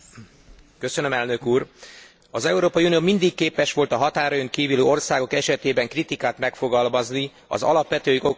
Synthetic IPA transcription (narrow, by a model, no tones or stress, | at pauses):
kø̞sønø̞mɛlnø̞kuːr | ɒzɛuɾoːpɒiunioːmind̪ikːeːpɛʃʋo̞lt̪ɒɦɒt̪aːɾɒjøŋkiːvyløːo̞rsaːɡo̞kɛʃɛt̪eːbɛŋkrit̪ikaːt̪mɛkfo̞ɡɒlmɒzni | ɒ̰zɒ̰lɒpʋɛt̪øːio